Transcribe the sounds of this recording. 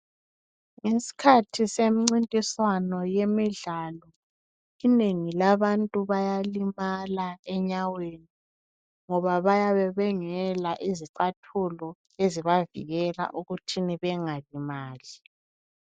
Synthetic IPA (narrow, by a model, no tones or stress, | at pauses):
ŋesi̥kʰatʰisemiŋ͡ǀintʼiswanɔjemiɮalɔ | ineŋilaβantʼuβajalimalaɛɲaweni | ŋɔβaβajaβɛβɛŋɛlaʔiziǀatʰulɔ | eziβavḭɣɛla̰ʔuɣutʰiniβɛŋalimaːli